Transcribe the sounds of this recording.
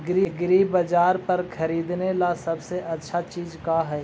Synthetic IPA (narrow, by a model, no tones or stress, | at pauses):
ɡɾiɡɾibəd͡ʒaːɾpɐɾkʰɐɾiːd̪nelasɐbseʔɐtːʃʰat͡ʃiːzkaɦɛː